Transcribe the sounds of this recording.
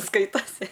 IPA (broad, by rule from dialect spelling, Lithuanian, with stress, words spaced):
ˈskɐɪtɐsʲɪ